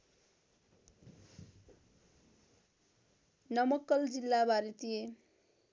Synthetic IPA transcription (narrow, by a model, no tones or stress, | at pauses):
nʌmʌkːʌld͡zilːabaɾit̪ije